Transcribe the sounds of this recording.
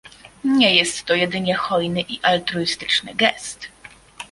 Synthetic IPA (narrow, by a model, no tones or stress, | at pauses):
ɲɛjɛst̪ːɔjɛd̪ɘɲɛxɔjnɘʔiʔalt̪ɾuist̪ɘ̥t͡ʂnɘ̰ɡɛst̪